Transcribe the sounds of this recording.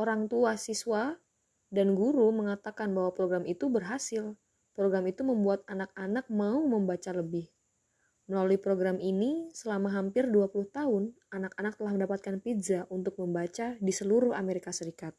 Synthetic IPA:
ʔoɾaŋt̪uasiswa | danɡuɾuməŋat̪akanbahwapɾoɡɾamit̪ubərɦasɪl | pɾoɡɾamit̪uməmbuat̪̚anak̚anak̚mauməmbat͡ʃaləbɪh | məlaluipɾoɡɾaminisəlamaɦampɪrduapulʊht̪aʊn | anakanak̚t̪əlahməndapat̪̚kanpid͡ʒaʔunt̪ʊk̚məmbat͡ʃadisəluɾʊhameɾikasəɾikat̪̚

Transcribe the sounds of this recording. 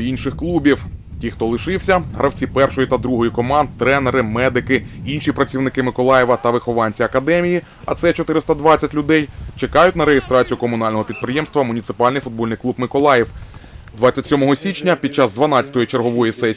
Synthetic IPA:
inʃɪxklˠubʲiwtʲixt̪ɔlˠɪʃɪwsʲɐɦɾʔɐwt͡sʲipɛrʃɔjit̪ɐd̪ɾuɦɔjikɔmɑnd̪̚t̪ɾɛneɾɪmɛd̪ɪkɪinʃipɾɐt͡sʲiwnɪkɪmɪkɔlˠɑjɛʋɐt̪ɐʋɪxɔʋɑnʲt͡sʲiɐkɐd̪ɛmʲiji | ɐ̰t̪sɛt͡ʃɔt̪ɪɾɪst̪ɐd̪ʋɑtt͡sʲɐtʲlʲʊd̪ɛjt͡ʃekɑjʊtʲnɐɾeɦɪst̪ɾɑt͡sʲijʊkɔmʊnɑlʲnɔɦɔpʲid̪̚pɾɪjɛmst̪ʋɐmʊnʲit̪sɪ̥pɑlʲnɪjfʊd̪̚bɔlʲnɪjklˠubmɪkɔlˠɑjɛwd̪ʋɑt͡sʲːɐtʲsʲɔmɔɦɔsʲit͡ʃnʲɐpʲid̪̚t͡ʃɑzd̪ʋɐnɑt͡sʲɐ̥t̪ɔjit͡ʃerɦɔʋɔjisɛsʲ

